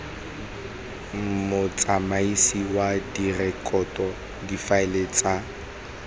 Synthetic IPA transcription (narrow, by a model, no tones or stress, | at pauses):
mʊt͡sʼamaisiwadirɛkʼɔtʼɔ | difaɪlet͡sʼa